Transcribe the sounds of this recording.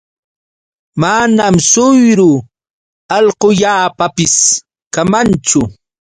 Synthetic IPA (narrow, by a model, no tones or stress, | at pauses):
manamsʊjɾʊ | ɑʎqʊʎaːpapɪs | kamant͡ʃʊ